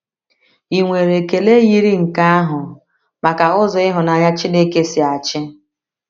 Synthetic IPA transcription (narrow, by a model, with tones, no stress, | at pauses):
i˨ŋʷe˨ɾe˨ke˨le˦ji˦ɾi˦ŋ̩˨ka˦a˦ɦʊ˨ | ma˨ka˨ʊ˦zɔ˨ɪ˦ɦʊ˨na˨ɲa˦t͡ʃɪ˦ne˦ke˦sɪ˨a˨t͡ʃɪ˦